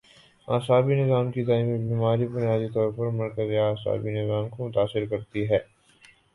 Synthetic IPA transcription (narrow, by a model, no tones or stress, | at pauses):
a̰ːsaːbinɪzaːmkit̪aːɪmibiːmaːɾibʊnjaːd̪it̪ɔːɾpɐɾmɐɾkəzeaːsa̰ːbinɪzaːmkomʊt̪aːsɪɾkɐɾt̪iɦɛː